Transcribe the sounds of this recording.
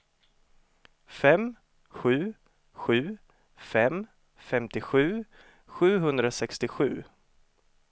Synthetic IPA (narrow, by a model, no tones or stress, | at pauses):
fɛm | ɧʉ̟ː | ɧʉ̟ː | fɛm | fɛmt̪ɪɧʉ̟ː | ɧʉ̟ːɦɵnd̪ɾasɛkst̪ɪɧʉ̟̰ː